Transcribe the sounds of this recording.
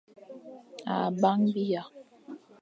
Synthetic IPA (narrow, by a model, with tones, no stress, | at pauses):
a̰˨ba˦ŋbi˦ja˨